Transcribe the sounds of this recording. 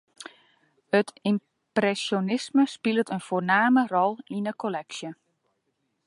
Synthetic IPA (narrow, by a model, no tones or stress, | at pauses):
ətim | prɛsjonɪsməspɪlˠətənfoːnaːmərɔlˠinəkʰolɛksjə